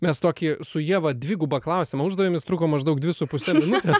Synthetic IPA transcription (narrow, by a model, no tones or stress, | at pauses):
mʲɛst̪oːkʲisʊjiɛʋɐd̪ʲʋʲɪɡʊbɐklˠɐʊsʲɪmɐʊʒd̪ɐʋʲeːmʲɪst̪ɾuːkoːmɐʒd̪ɐʊk̚dʲʋʲɪsʊpʊsʲɛmʲɪnʊt̪ʲɛs